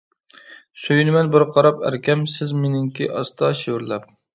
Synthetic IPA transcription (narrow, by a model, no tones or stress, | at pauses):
søjynɪmɛnbɪɾqʰɑɾɑpæ̰ɾkʲɛmsɪzmenɪŋkʲiʔɑst̪ʰɑʃewɪɾlɛp̚